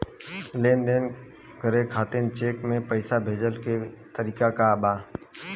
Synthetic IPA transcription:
leːnd̪eːn | ɡʱəɾekʰaːt̪ent͡ʃeːkmẽpəɪsabʱeːd͡ʒəlket̪əɾiːkakabaː

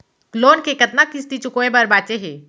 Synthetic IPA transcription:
kloːnkekɐt̪nakɪst̪it͡ʃʊkoːebɐɾbaːt͡ʃeɦeː

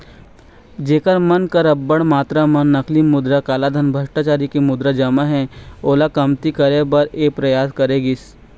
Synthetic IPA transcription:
d͡ʒeːkəɾmɐnkɐɾɐbːəɽmaːt̪ɾamɐnːɐkʰlimʊd̪ɾakaːlad̪ʱɐnbʱɐʃʈaːt͡ʃaːɾikemʊd̪ɾad͡ʒɐmaɦɛ̃oːlakɐmt̪ikəɾebɐɾeːpɾɐjaːskɐɾeːɡis

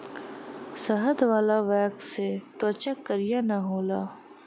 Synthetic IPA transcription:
sɐɦət̪ʋaːlaʋɛːkset̪oːt͡ʃakːəɾijanɐɦoːlaː

